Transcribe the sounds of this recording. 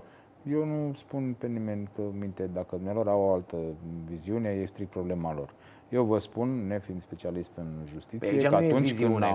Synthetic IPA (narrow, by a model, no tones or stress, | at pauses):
je̞wnuspunpe̞nime̞nʲkəmint̪ed̪akəd̪umnealo̞ɾawoalt̪əviziune̞jest̪ɾik̚t̪̚pɾo̞ble̞malo̞r | je̞wvəspunːe̞find̪spe̞t͡ʃialist̪ɨnʒust̪it̪sijeat̪unt͡ʃkɨn